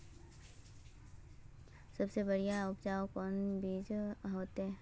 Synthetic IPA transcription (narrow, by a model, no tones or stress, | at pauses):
sɐbsebəɽijaʊpd͡ʒaːokɔːnbʱiːd͡ʒɦoːt̪ɦɛː